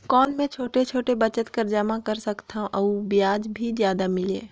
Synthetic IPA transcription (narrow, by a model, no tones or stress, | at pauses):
kɔːnmẽt͡ʃʰoːʈet͡ʃʰoːʈebɐt͡ʃət̪kəɾd͡ʒamãkɐɾsɐkt̪ãʔɐubɪjaːd͡ʒbʱizjaːd̪amɪlḛː